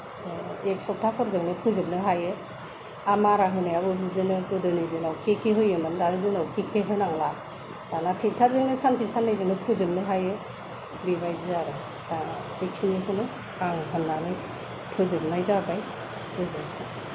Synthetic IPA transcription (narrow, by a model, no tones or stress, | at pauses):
ek̚sɔk̚tʰakʰɔɾzɯŋnɯpʰɯzɯmnɯɦajɯ | amaɾaɦɯnajabɯbzizɯnɯkɯdɯnɯzɯnawkʰekʰeɦɯjɯmɯndanɯzɯnawkʰikʰeɦɯnaŋla | d̥anatʰeŋtʰaɾzɯŋnɯsansʰisanːɯjzɯnɯpʰɯzɯmnɯɦajɯ | bibajzaɾɯ | dana | ek̚siniɦɯnɯ | aŋɦɯnːanɯ | pʰɯzɯmnajzabaj | bɯzɯmtʰa